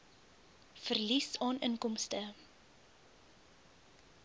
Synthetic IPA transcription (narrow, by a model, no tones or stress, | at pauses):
fərlisɑːnʔənkɔmstə